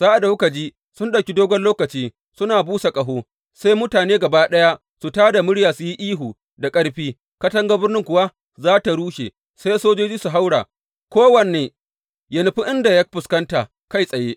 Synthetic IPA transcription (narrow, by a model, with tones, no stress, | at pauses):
z̥aː˦ʔa˨da˨wkɐ˨d͡ʒiː˦ | sʊ˦nɗɐ˨wkʲi˦doː˦ɡʷɔ˦nloː˦kɐ˨t͡ʃiː˦ | sʊ˦naː˨buː˦sa˨kʼɐ˨ɦoː˦ | sa˦jmʊ˦taː˨neː˦ɡɐ˨baː˦ɗɐ˦ja˦ | su˨taː˦da˨mʊ˦ɽjaː˨su˨ji˦ʔiː˦ɦuː˨ | da˨kʼɐ˦ɽɸiː˦ | kɐ˦tɐ˦ŋɡa˦bɪ˦rnɪ˦ŋkʷʊ˨wa˦ | zaː˦ta˨ɽuː˦ʃe˨ | sa˦jsoː˦d͡ʒoː˦d͡ʒiː˦su˨ɦa˦wɽaː˨ | kʷoː˦wɐ˨nːeː˨ | jɐ˨nʊ˨ɸi˦ʔɪ˦nda˨ja˦ɸʊ˨skɐ˦nta˨ | ka˦˨jsʼɐ˨jeː˦ʔ